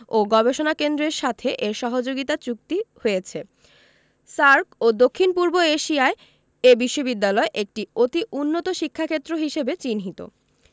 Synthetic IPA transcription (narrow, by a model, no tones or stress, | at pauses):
oɡɔbeʃonakend̪ɾeɾʃat̪ʰeʔeɾʃɔɦod͡ʑoɡit̪at͡ɕuk̚t̪ihoet͡ɕʰe | saɾkod̪okʰːinpuɾboeʃiae | ebiʃːobid̪ːalɔeʔek̚ʈiot̪iʔunːot̪oʃikʰːakʰet̪ːɾoɦiʃebet͡ɕinɦit̪o̰